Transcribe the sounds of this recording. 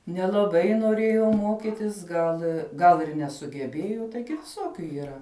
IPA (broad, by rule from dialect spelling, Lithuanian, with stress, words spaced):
nʲɛlˠɐˈbɐɪ noːˈrʲeːjoː ˈmoːkʲɪtʲɪs ˈɡɐlˠ ɡɐlˠ ɪr nʲɛsʊɡʲɛˈbʲeːjʊ ˈtɐɪɡʲɪ ʋʲɪˈsoːkʲʊ iːˈrɐ